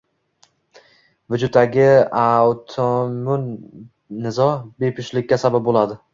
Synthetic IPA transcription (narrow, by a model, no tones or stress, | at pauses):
vʊd͡ʒʊt̪ːaɡʲɪawt̪ʰomʊnː | ɪzɒbe̞pʰʊʃlɪkʲːasabap̚bolad̪ɪ